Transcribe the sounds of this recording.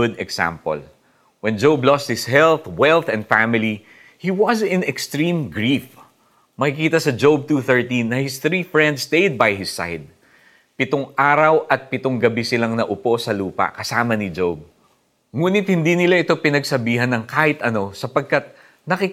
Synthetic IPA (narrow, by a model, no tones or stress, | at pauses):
ʊd̪ɛksa̰mpo̰l | wɛnd͡ʒowblɔst̪̚hɪshɛlθwɛlθɛ̃nd̪famɪli | hiwɐzɪ̃nɛkst̪ɹĩmɡɹif | mɐkikiːt̪ɐsɐd͡ʒowb̚t̪uːθə˞t̪ĩnːɐhɪsθɾifɹɛnd̪st̪ejd̪̚bajɦɪsːa̰jd̪̚ | pɪt̪oŋʔaːɾɐwʔɐt̪̚pɪt̪oŋɡɐbisɪlaŋnɐʔʊpo̞sɐluːpɐ̰kɐsaːmɐnɪd͡ʒowb̚ | ŋuːnɪt̪̚hɪnd̪inɪlaʔɪt̪o̞pɪnɐɡsɐbiːɦɐnɐŋkaːhɪt̪ʔɐno̞sɐpɐɡ̚kat̪̚ | nɐkɪ